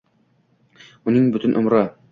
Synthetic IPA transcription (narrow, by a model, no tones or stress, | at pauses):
unɤɴbɵt̪ɘ̆nʔŏmɾɑ